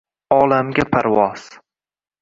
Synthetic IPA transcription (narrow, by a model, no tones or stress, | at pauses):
ɒlamɡʲapʰaɾvɒz̥